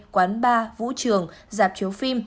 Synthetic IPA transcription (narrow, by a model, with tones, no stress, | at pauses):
kwaː˨˦nɓaː˧vṵ˧˥t͡ɕɨ˨˩əŋzaː˨˩p̚t͡ɕi˨˦əwfi˧m